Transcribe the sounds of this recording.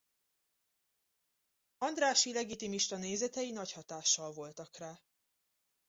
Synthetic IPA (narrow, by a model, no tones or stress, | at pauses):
ɒnd̪raːʃilɛɡit̪imiʃt̪ɒneːzɛt̪ɛjinɒchɒt̪aːʃːɒlvo̞lt̪ɒkraː